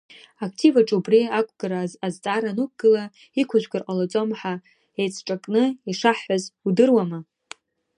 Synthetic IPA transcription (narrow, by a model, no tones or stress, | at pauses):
akʰtʰivaʈ͡ʂʼubriakʷʰʼɡaɾaːzt͡sʼaɾanuk̚ʰʼɡ̥ɨla | ikʷʰaʒᶣɡɨrqʼalat͡sʼo̞mħa | ejt͡sʰʈ͡ʂʼakʼnɨiʂaħːazudɨrwama